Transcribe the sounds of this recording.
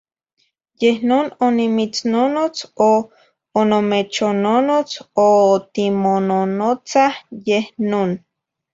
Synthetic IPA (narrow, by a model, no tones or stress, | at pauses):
jehnoːnonimit͡snonot͡soː | nomet͡ʃononot͡sot̪imononot͡sahjehnoːn